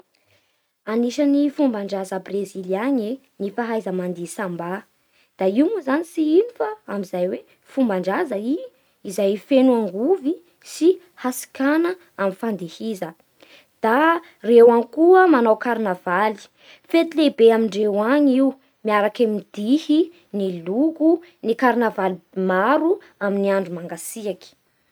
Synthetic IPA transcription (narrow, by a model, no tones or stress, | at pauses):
aniʃanifumbaɳɖ͡ʐazəbreziliaɲe | nifaɦajzəmand̪isamba | d̪̥aiumuzanisiinufəamizajwe | fumbaɳɖ͡ʐazəi | izajfenuaŋɡuvi | si | hasi̥kanə | amifand̪ihizə | d̪̥a | rewankuəmanawkaɾinavali̥ | fet̪ilebeamiɳɖ͡ʐewaɲiw | miaɾakamid̪̥ihi | nilukunikaɾnavalimaɾu | aminiaɳɖ͡ʐumaŋɡasiaki̥